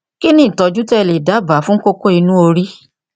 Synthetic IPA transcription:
ki˦nĩ˦˨tɔ˧d͡ʒu˦tɛ˦˧˨le˨da˨˦˨ba˨˦fũ˦ko˦ko˦i˧nũ˦o˧ɾi˦

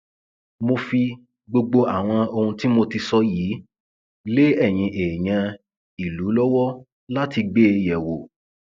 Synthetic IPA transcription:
mo˧fi˧ | ɡ͡bo˧ɡ͡bo˧a˨w̃ɔ̃˧o˧hũ˧ti˦mo˧ti˧sɔ˦jiː˨˦ | le˦ɛ˦˨j̃ĩ˧ʔeː˨ɲ̃ã˧ | i˨lu˨˦lɔ˦wɔ˦ | la˦ti˧ɡ͡beː˦jɛ˨wo˨

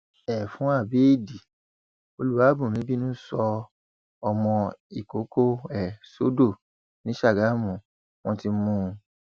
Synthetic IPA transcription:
ɛ˨fũ˦a˦˨be˨˦i˦˨di˨ | o˧lu˦wa˨˦bũ˨mĩ˨˦bi˦nũ˦sɔ˧ | ɔ˧mɔ̃˧i˨ko˨˦ko˦ɛ˦˨so˦do˦˨ | nĩ˨˦ʃa˦˨ɡa˨˦mũ˨ | w̃ɔ̃˦ti˧˦mũ˦˧

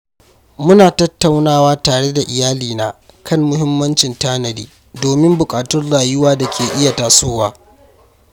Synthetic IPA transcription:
mʊ˦naː˨tɐ˦tːa˨wnaː˦˨waː˦taː˨ɽe˦da˨ʔɪ˨jaː˦liː˨naː˦ | kʰɐ˦˨mmʊ˦ɦɪ˦mːɐ˦nt͡ʃɪ˨ntaː˦nɐ˨diː˦ | doː˨mɪ˦mbʊ˨kʼaː˨tʊ˦rlaː˨jʊ˦waː˦da˨kʲʰeː˨ʔɪ˦ja˨taː˨soː˦waː˨˦

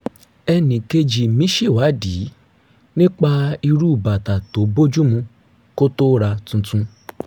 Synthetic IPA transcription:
ɛ˧nĩ˨ke˧d͡ʒi˨mĩ˦ʃi˦˨wa˨˦di˨˦ | nĩ˦k͡pa˦i˧ɾu˦˨ba˨ta˨to˨˦bo˦d͡ʒu˦mũ˧˦ | ko˦to˦ɾa˧tũ˧tũ˧

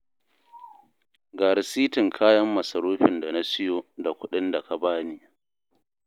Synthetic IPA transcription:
ɡaː˨ɾɪ˨siː˦tɪ˨ŋkʰaː˦jɐ˦mːɐ˨sɐ˨ɾoː˦ɸɪ˨nda˨na˦sɪ˦joː˦da˨kʷʊ˦ɗɪ˦nda˨ka˨baː˦niː˦

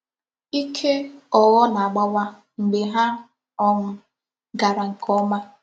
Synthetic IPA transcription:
i˦kʰe˦ɔ˨ɣɔ˦na˨a˨ɡ͡ba˦wa˦ | ŋ͡m̩˨ɡ͡be˨ɦa˦ | ɔ˦ŋʊ˨ | ɡa˨ɾa˨ŋ̩˨kʰɔ˦ma˦

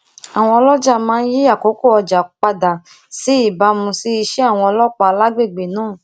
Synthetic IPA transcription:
a˨w̃ɔ̃˧ɔ˧lɔ˦d͡ʒa˦˨mãː˦n̩˦ji˦a˦˨ko˨˦ko˦˨ɔ˧d͡ʒa˨k͡pa˧da˨ | si˨˦i˦˨ba˧mũ˧si˦i˧ʃe˦a˦˨w̃ɔ̃˧ɔ˧lɔ˦k͡pa˧la˦ɡ͡be˦˨ɡ͡be˨nãː˦˨

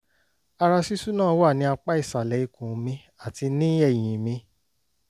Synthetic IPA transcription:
a˧ɾa˧si˦su˦nãː˦˨˦wa˦˨nĩ˧˦a˧k͡pa˦i˦˨sa˨lɛ˨˦i˨kũ˨˦mĩ˧ | a˨ti˧nĩ˦ɛ˦˨j̃ĩ˨mĩ˧

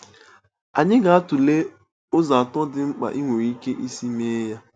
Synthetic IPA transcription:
a˨ɲɪ˦ɡa˨a˦tʊ˨le˦ | ʊ˦za˨a˨tɔ˦dɪ˦ŋ͡m̩˦k͡pa̰˨ʔi˦ŋʷo˨ɾi˦ke˦ʔi˦si˦me˦ja˦

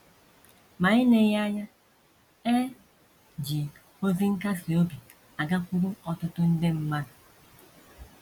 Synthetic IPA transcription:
ma˨ɪ˦ne˨ja˦ja˦ | e˦ | d͡ʒi˨ | o˦zi˦ŋ̩˦ka˦si˨o˦bi˨ | a˨ɡa˦kʷu˦ɾu˦ɔ˨tʊ˦tʊ˦n̩˦de˦m̩˦ma˦na˨

